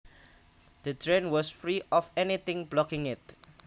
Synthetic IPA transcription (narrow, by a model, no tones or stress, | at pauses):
d̪̥ətʰɹẽnwɔsfɹiʔɔfɛnit̪ɪ̃ŋblɔkɪ̃ŋɪt̚